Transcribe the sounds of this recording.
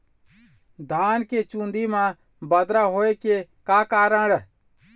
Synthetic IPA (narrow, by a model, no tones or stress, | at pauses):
d̪ʱaːnket͡ʃũːnd̪ʱimãː | bəd̪ɾaɦoːekekaːkaːɾəɽɛ